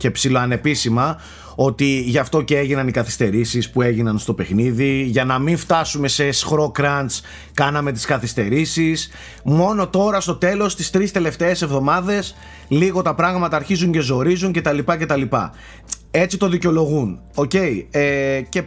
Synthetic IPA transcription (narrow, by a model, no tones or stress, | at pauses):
cepsiloɐne̞pisimɐ | o̞t̪iʝɐft̪o̞ceeʝinɐnikɐθi̥st̪e̞ɾisispue̞ʝinɐnst̪o̞pe̞xniðiʝɐnɐminft̪ɐsume̞sesxɾo̞kɾɐns | kɐnɐme̞t̪i̥skɐθist̪e̞ɾisis | mo̞no̞t̪o̞ɾɐst̪ot̪e̞lo̞st̪ist̪ɾist̪e̞le̞ft̪e̞ːse̞vðo̞mɐðe̞s | liɣo̞t̪ɐpɾɐɣmɐt̪ɐːɾçizuɲce̞zo̞ɾizuɲce̞t̪ɐlipɐce̞t̪ɐlipɐ̰ | e̞t͡sit̪o̞ðiceo̞lo̞ɣun | o̞ce̞iece̞